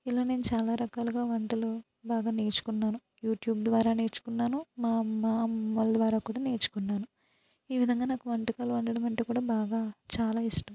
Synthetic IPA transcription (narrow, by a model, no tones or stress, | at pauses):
ilːaːne̞ːnut͡ʃaːlaːɾɐkaːluɡaːʋɐɳʈɐlu | baːɡaːneːt͡ʃu̥kunːaːnu | juːʈjuːbd̪ʋaːɾaːneːt͡ʃu̥kunːaːnumaːmaːɐld̪ʋaːɾaːkuːɽaːneːt͡ʃu̥kunːaːnu | iːʋid̪ʱɐŋɡaːnaːkuʋɐɳʈikaːluʋɐɳɖɐɽɐmɐɳʈekuːɽaːbaːɡaːt͡ʃaːlaːiʂʈɐm